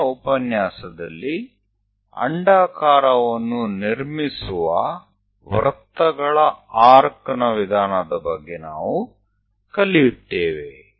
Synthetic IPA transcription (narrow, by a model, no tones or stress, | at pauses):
upɐnjaːsɐd̪ɐ̰lːi | ɐ̰ɳɖaːkaːɾɐʋɐnːuniɾmisuʋɐ | ʋɐɾt̪ːɐɡɐɭɐaːɾɐkɐnɐʋid̪ʱaːnɐd̪ɐbɐɡːena̰ːʋu | kɐlːijut̪ːeːʋe